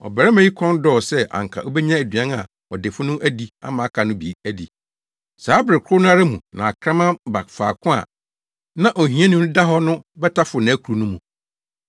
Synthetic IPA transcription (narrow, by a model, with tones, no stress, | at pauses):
ɔ̰˨bɛ˨ɾɛ˦mã˦ji˦kʰɔ̃˦n˦dɔ˦˨sɛ˦ʔã̰˨ŋ˨kʰa̰˨ʔɔ˦bɛ˦ɲã˦æ˨dɥã˦na˨ | ɔ˨dɪ˨fʊ˦nʊ̃˦ʔæ˦di˦a̰˦mã˨˦kʰa˨nʊ̃˦bḭ˨˦æ˦di˨ | saː˨˦bɾɪ˨kʰʊ˦nʊ̃˦a˦ɾa˦mũ˨nã˨a˨kʰɾã˦mã˦ba˨fa̰ː˨kʰʊ̃˦a̰˨ | nã˦ʔɔ˨ɦĩ˨˦ɛ̃˦nʊ̃˦da˦ɦɔ˦nʊ̃˦bɛ˦tʰa˦fʊ˨nã˨˦kʰu˨ɾu˨˦nũ˦mũ˨